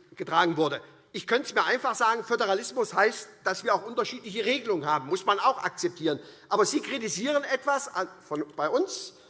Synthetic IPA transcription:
ɡ̥ətʁ̥aːɡŋ̩vʊɐdə | ʔɪçkʰœntəsmiːɐʔaɪnfaχz̥aːɡŋ̩fødəʁ̞alɪsmʊshaɪstd̥asv̥iːɐaʊxʔʊntɐʃiːtlɪç̬əʁeːɡəlʊŋənɦaːbm̩ːʊsmanaʊxʔa̰k̚t͡sɛp̚tʰiːʁənʔaːbɐziːkʁ̥itiziːʁ̞ənɛtv̥asafɔnb̥aɪʔʊns

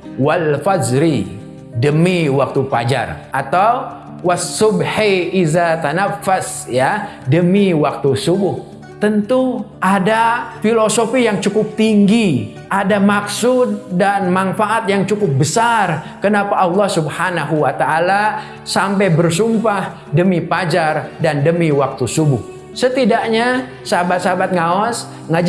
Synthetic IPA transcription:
walfad͡ʒɾi | dəmiwak̚t̪upa̰d͡ʒa̰rʔat̪aw | wasːʊbhiizat̪anafːasja | dəmiwak̚t̪usubʊh | t̪ənt̪uʔadafilosofijaŋt͡ʃukʊp̚t̪iŋɡi | ʔadamaksʊd̚ːanmanfaʔat̪̚jaŋt͡ʃukʊp̚bəsarkənapaʔɑlːɑhsubhanaɦuwat̪aːla | sampɛjbərsumpah | dəmipad͡ʒardandəmiwak̚t̪usubʊh | sət̪idaʔɲa | səabat̪sabat̪̚ŋaɔs | ŋad͡ʒ

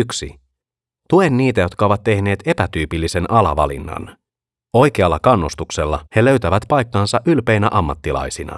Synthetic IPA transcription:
yksḭ | t̪ue̞nːiːt̪æjot̪kɑo̞ʋɑt̪t̪ːe̞hne̞ːt̪e̞pæt̪yːpilːise̞nʔɑlɑ̰ʋɑ̰lḭnːɑ̰n | o̞jk̟eɑlːɑkɑnːust̪ukse̞lːɑhe̞lø̞ɥt̪æʋæt̪pɑjkːɑnsɑʔylpe̞jnæʔɑmːɑt̪ːilɑ̰jsinɑ̰

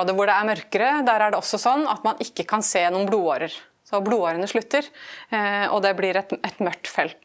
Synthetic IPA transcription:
oːd̪əʋʊɖɛæɾmœɾkəɾəd̪æːɾæɖɛɔsːɔsɔnːɑ̰t̪mɑnʔɪkːəkʰɑnseːjɛnʊmbluːoːɾəɾ | sɔbluːoːɾənəʂɭʉt̪ːəɾ | ɔ̰d̪ɛblɪɾɛt̪ɛt̪mœʈ̪ːfɛlt̪

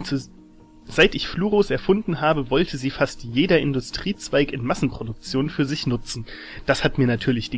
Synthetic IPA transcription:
z̥aɪtɪçfluːʁoːsɛɐfʊndn̩ɦaːbəvɔltʰəziːfastjeːdɐʔɪndʊstʁ̥iːt͡sv̥aɪkɪnmasn̩pʁ̥odʊk̚t͡sjoːnfyːɐzɪçnʊt͡sn̩ | d̥ashatmiːɐnatʰyːɐlɪçd̥iː

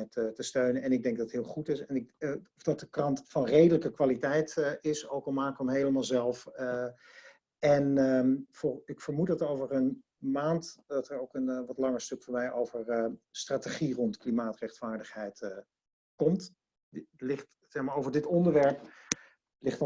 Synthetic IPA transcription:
tətəstøɥnənɛnɪɡ̚dɛŋk̚dɑtətɦɪːlˠχutɪsɛnɪɔfdɑt̚dəkrɑntfɑnrejdələkəkʋaːlitɛjtɪsowkɔlmaːkəənmɦejləmaːlˠzɛlˠfə | ɛnfʊɪkfəɹmutɑtowvəɹən | maːntdɑtəɹowkənʋɑtlɑŋəstɵkfoːɹmɛjʔowvəɹstraːteχirɔntklimaːtrɛχtfaːɹdəχɦɛjt | kɔmt | lɪχt | sɛχmaːɹowvəɹdɪtɔndəɹʋɛɹp | lɪχt

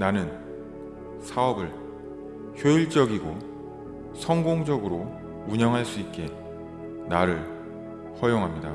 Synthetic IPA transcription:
nanɯn | sʰaʌbɯɭ | çjoiɭt͡ɕ͈ʌɡiɡo | sʰʌŋɡoŋd͡ʑʌɡɯɾo | uɲʌŋɦaɭs͈uit̚k͈e̞ | naɾɯɭ | hʌjoŋɦamɲida̰

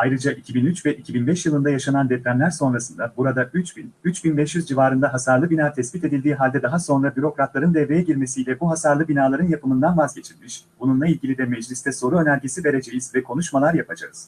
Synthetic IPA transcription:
ajɾɯd͡ʒaʔicʰibinyt͡ʃvɛʔicʰibinbɛʃjɯlˠɯnd̪ajaʃanand̪ɛplʲæmlʲæɾso̞nɾasɯnd̪abuɾad̪ayt͡ʃinyt͡ʃbinbɛʃjyzd͡ʒivaːɾɯnd̪aɦasaɾlˠɯbinaːt̪ʰɛsbit̪e̞d̪ilʲd̪iːɦalʲd̪ɛd̪aɦaso̞nɾabyɾo̞kɾat̪lˠaɾɯnd̪ɛvejɛɟiɾme̞sijlʲɛbuɦasaɾlˠɯbinaːlˠaɾɯnjapʰɯmɯnd̪anvazɟe̞t͡ʃʰilʲmiʃb̥ununlˠailʲɟilʲid̪ɛmɛd͡ʒlʲist̪ʰɛso̞ɾuø̞nælʲɟesive̞ɾe̞d͡ʒe̞jizvɛkʰo̞nuʃmalˠaɾjapʰad͡ʒa̰ɯz̥

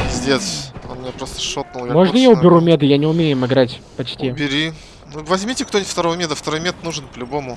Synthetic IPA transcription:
zʲdʲesʲonmɪnʲapɾost̪ə̥ʂot̪̚nʊlˠjamoʐnəjaʊbʲɪɾumʲed̪ɨjanʲɪʊmʲejɪmɪɡɾatʲpɐt͡ɕtʲibʲɪɾʲi | nuvɐzʲmʲitʲɪkt̪onʲɪt̪ʲft̪ɐɾovəmʲed̪əft̪ɐɾojmʲet̪nuʐɨnpəlʲʊbomʊ

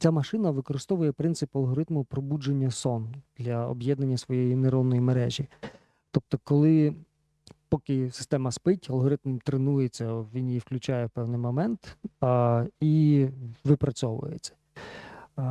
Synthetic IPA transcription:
t͡sʲamɐʃɪnɐʋɪkɔɾɪst̪ɔʋʊjɛpɾɪnt̪sɪpɐlˠɦɔɾɪt̪mʊpɾɔbud͡ʒenʲːɐsɔnd̪̥lʲɐɔ̰bjɛd̪nɐnʲːɐsʋɔjɛjineɾɔw̪nɔjimeɾɛʒʲi | t̪ɔp̚t̪ɔkɔlˠɪ | pɔkɪsɪ̥st̪ɛmɐspɪtʲɐlˠɦɔɾɪt̪mmt̪ɾenujet͡sʲːɐʋʲinjifklʲʉt͡ʃajɛwpɛwnɪjmɔmɛnt̪ | i | ʋɪpɾɐt͡sʲɔʋʊ̰jḛt͡sʲːɐ̥

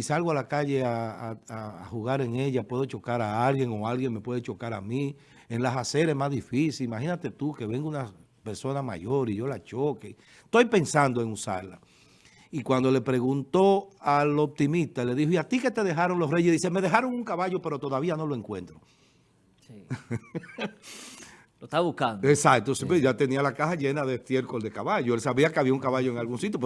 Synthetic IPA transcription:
isalɣoalakaʝe̞aaa̰ːhuɣaɾe̞ŋe̞ʝapwe̞ðot͡ʃo̞kaɾaalɣjeŋo̞alɣjeŋme̞pwe̞ðet͡ʃo̞kaɾa̰mĩ | enlasase̞ɾemazðifisilimaxinat̪e̞t̪uke̞βe̞ŋɡouna | pe̞ɾso̞nama̰ʝo̞ɾiʝo̞lat͡ʃo̞ke | t̪ojpe̞nsand̪o̞e̞ŋusa̰ɾla̰ | ikwand̪o̞le̞pɾe̞ɣunt̪o̞alop̚t̪imist̪ale̞ðihoiat̪ike̞t̪e̞ðe̞ɦaɾo̞ŋlo̞sre̞jʝeðiseme̞ðe̞ɦaɾo̞ŋuŋkaβaʝope̞ɾo̞t̪oðaβiano̞loe̞ŋkwe̞̰nt̪ɾo̞ | lot̪aβukand̪esak̚t̪osipeʝat̪e̞nialakasaʝe̞naðest̪je̞ɾkold̪e̞kaβaʝoe̞lsaβiakeaβiauŋkaβaʝoe̞ŋalɣuŋsit̪jop

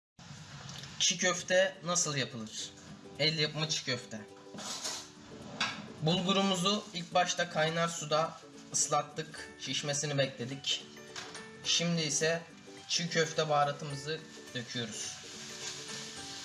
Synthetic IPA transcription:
t͡ʃʰicʰøft̪ʰɛnasɯlˠjapʰɯlˠɯɾ̥ | ɛlʲjapmat͡ʃʰi̥cøft̪ʰɛ | bulˠɡuɾumuzuilʲc̚baʃt̪ʰakʰajnaɾsud̪a | ɯslˠat̪ːɯkt͡ʃʰiʃme̞sinibɛclʲe̞d̪ic | ʃimd̪iːsɛ | t͡ʃʰicʰøft̪ʰɛbaːɾat̪ʰɯmɯzɯ | d̪̥øcʰyjo̞ɾuz̥

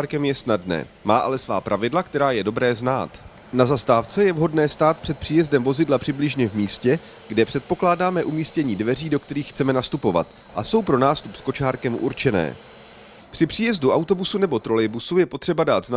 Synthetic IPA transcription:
ɾkɛmjɛsnadnɛ̰ː | maːʔalɛsva̰ːpɾʔavɪdlakt̪ɛɾaːjɛdo̞bɾɛːzna̰ːt̪ | nazast̪aːft͡sɛjɛvɦo̞dnɛːst̪aːt̪̚pr̝̥ɛt̪̚pr̥iːjɛzdɛmvo̞zɪdlapr̥ɪblɪʒɲɛvmiːscɛ | ɡ̥dɛpr̥ɛt̪̚po̞klaːdaːmɛʔumiːscɛɲiːdvɛriːdo̞kt̪ɛɾiːxːt͡sɛmɛnast̪upo̞va̰t̪ | ʔa̰so̞wpɾo̞naːst̪upsko̞t͡ʃaːɾkɛmʔṵɾt͡ʃɛnɛ̰ː | pr̝̥ɪpr̝̥iːjɛzduʔawt̪o̞busunɛbo̞t̪ɾo̞lɛjbusujɛpo̞t̪r̝̥ɛbadaːt̪zna

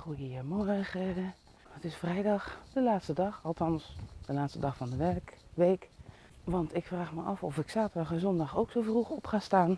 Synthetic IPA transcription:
χujəəmɔɹχə | ətɪsfrɛjdɑxd̥əlaːtstədɑxɑlˠtʰɑnsd̥əlaːtstədɑxfɑndəʋɛrkʋejk | ʋɑntɪkfraːχməʔɑfɔfɪksaːtədɑχənzɔndɑxowksovruxɔpχaːstaːn

